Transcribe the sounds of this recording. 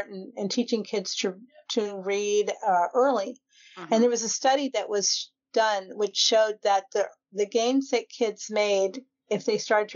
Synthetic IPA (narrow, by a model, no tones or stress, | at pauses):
ʔn̩ɨ̃ntʰit͡ʃɪ̃ŋkʰɪdz̥tʰɨtʰɨɹiɾʔɜ˞lˠi | ɨ̃nðə˞wʌzɨstʌɾiðɨʔwʌz̥ | d̥ʌ̃nwɨt͡ʃʃoʊd̪̚ðɨt̪̚ði | ðɨɡẽɪ̃msɨk̚kʰɪdz̥meɪɾ | ɨfðeɪstɑɹɾɨd̚tʰ